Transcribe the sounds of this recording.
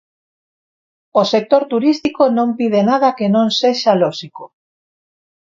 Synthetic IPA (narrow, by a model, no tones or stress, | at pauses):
osek̚t̪oɾt̪uɾist̪ikonõmpið̞enað̞akenõnseʃaloʃiko